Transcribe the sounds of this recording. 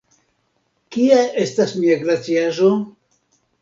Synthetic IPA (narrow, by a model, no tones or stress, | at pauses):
kiae̞stasmiaɡɾat͡siaʒo